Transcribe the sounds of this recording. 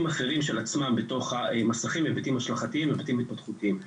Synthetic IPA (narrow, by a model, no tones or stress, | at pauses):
maχe̞ʁimʃelat͡smambeto̞χaemasaχimvebatimaʃlaχatiimvebatimit̪̚patχutiim